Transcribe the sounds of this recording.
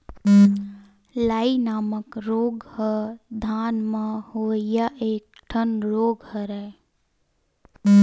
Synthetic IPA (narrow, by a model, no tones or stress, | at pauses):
laːinaːməkɾoːɡhəd̪ʱaːnməhoːjaʔeːk̚ʈʰənɾoːɡhəɾɛ